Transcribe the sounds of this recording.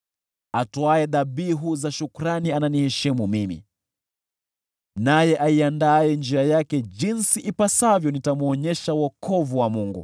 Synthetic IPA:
atɔaɛðabiɦuzaʃukuɾaniananihɛʃimumimḭ | najɛʔaiandaɛnd͡ʒiajakɛd͡ʒinsiʔipasavjɔnitamuɔɲɛʃawɔkʰɔvuwamuŋɡṵ

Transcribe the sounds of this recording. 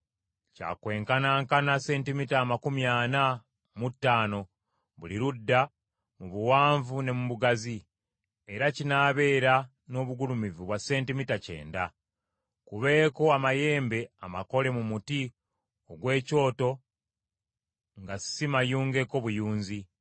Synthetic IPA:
ca̰ːkwe̞ːŋkanaːŋkanase̞ːntimitaːmakumjaːna | mutːaːno̞ | βuliɾudːa | muβuwaːɱvune̞muβuɡazi | eɾacinaːβe̞ːɾa | noːβuɡulumivuβwase̞ːntimitace̞̰ːnda | kuβe̞ːko̞amaje̞ːmbe̞ama̰ko̞le̞mumuti | o̞ɡwe̞ːco̞ːto̞ | ŋɡassimajuːŋɡe̞ko̞βujuːnzi

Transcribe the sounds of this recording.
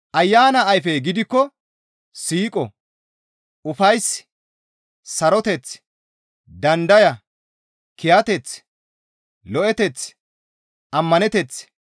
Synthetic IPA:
ʔɐjːaːnɐːjfɛjɡɪd̪ɪkːɔ | siːkʼɔ | ʊfɐjs | sɐɾɔt̪ɛt͡s | d̪ɐnd̪ɐjɐ | kɪjɐt̪ɛt͡s | lɔʔɛt̪ɛt͡s | ʔɐmːɐnɛt̪ɛt͡s

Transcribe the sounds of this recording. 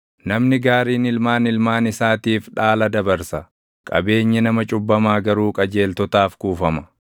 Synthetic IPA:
nɐmnɪɡaːɾiːnɪlmaːnɪlmaːnɪsaːt̪iːfᶑaːlɐd̪ɐbɐɾsɐ | kʼɐ̰be̞ːɲːɛnɐmɐt͡ʃʼʊbːɐmaːɡɐɾuːkʼɐd͡ʒe̞ːlt̪ɔt̪aːfkuːfɐmɐ

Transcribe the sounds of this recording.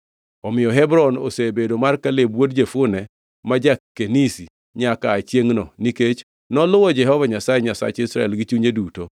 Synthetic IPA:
ɔmɪjɔɦɛbɾɔno̰sebedomarkalebwodd͡ʒefʊnɛ | mad͡ʒakːenisi | ɲakaːt͡ʃjeŋnɔniket͡ʃ | nɔlʊwɔd͡ʒɛɦɔvaɲasajɛɲasa̰t͡ʃisɾaɛlɡit͡ʃuɲeduto

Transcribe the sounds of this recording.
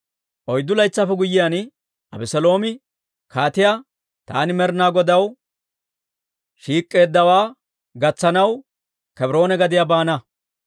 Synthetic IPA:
ʔɔjd̪ːʊlɐjt͡sːɐfɛɡʊjːɪjan | ʔɐbɛsɛlo̞ːmɪ | kʰaːt̪ɪja | t̪a̰ːnɪmɛɾnaːɡɔd̪ɐw | ʃiːkʼːe̞ːd̪ːɐwaː | ɡɐt͡sːɐnɐw | kɛbɪɾo̞ːnɛɡɐd̪ɪjabaːnɐ

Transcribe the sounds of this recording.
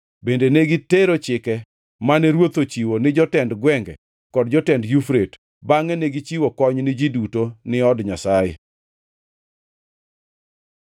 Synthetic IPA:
bendeneɡiteɾot͡ʃɪkɛ | manɛɾwot̪ot͡ʃiwonɪd͡ʒɔtɛndɡwɛŋɡɛ | kɔdd͡ʒɔtɛndjufɾet | baŋɛneɡit͡ʃiwokɔɲnɪd͡ʒidutonɪɔdɲasajḛ

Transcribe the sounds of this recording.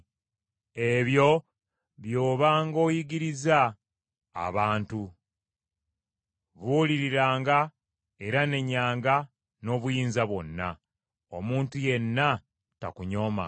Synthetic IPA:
e̞βjo̞ | βjo̞ːβaːŋɡo̞ːjiɡiɾiza̰ː | βaːntu | βuːliɾiɾaːŋɡa | e̞ɾane̞ɲːaːŋɡa | no̞ːβujiːnzaβwo̞nːa̰ | o̞muːntuje̞nːa | ta̰kuɲo̞ma̰

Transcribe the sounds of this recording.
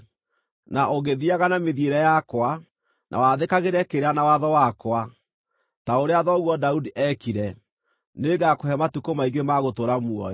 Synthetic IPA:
naʔoɣeðiaɣanameðieɾɛjakwa | nʔa̰waðekaɣeɾɛkeɾanawaðɔwakwa | taoɾeaðɔɣwɔdaudiʔɛkiɾɛ | neɡakohɛmatukomaiɡemaɣotoɾamuɔ

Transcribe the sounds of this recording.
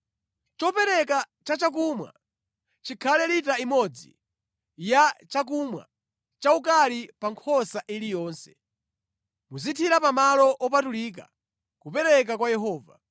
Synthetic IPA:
t͡ʃɔpɛɾɛk̬a | t͡ʃat͡ʃak̬umwa̰ | t͡ʃikʰalɛlitaimɔd͡zḭ | jat͡ʃak̬umwa̰ | t͡ʃaukalipaŋkʰɔsaʔilijɔːnsɛ̥ | muzitʰiɾapamalɔʔɔp̬atuliːk̬a̰ | kupɛɾɛk̬akwajɛɦɔːva̰

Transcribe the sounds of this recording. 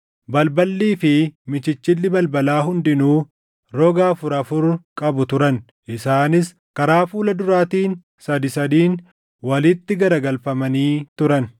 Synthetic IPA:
bɐlbɐlːiːfɪmɪt͡ʃɪt͡ʃːɪlːɪbɐlbɐlaːɦʊnd̪ɪnuː | ɾɔɡaːfʊɾɐfʊɾkʼɐbʊt̪ʊɾɐn | ʔɪsaːnɪs | kɐɾaːfuːlɐd̪ʊɾaːt̪iːn | sɐd̪ɪsɐd̪iːn | wɐlɪt̪ːɪɡɐɾɐɡɐlfɐmɐniːt̪ʊɾɐn

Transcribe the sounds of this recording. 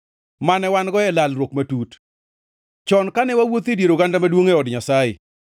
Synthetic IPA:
manɛwanɡɔɛlalrwokmatut | t͡ʃɔnkanɛwawot̪edjeɾoɡandamadwoŋeɔdɲasaɪ̰

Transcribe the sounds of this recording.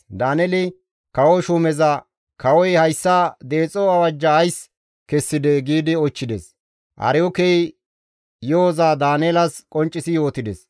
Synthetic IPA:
d̪aːnɛlɪ | kɐwɔʃʊmɛzɐ | kɐwɔjhɐjsːad̪eːt͡sʼɔɐwɐd͡ʒːɐːjs | kɛsːɪd̪ɛɡiːd̪ɪɔt͡ʃːɪd̪ɛs | ʔɐ̰ɾɪjɔkɛj | joɔzaːd̪aːneːlɐskʼɔnt͡ʃʼːɪsɪjo̞ːt̪ɪd̪ɛs

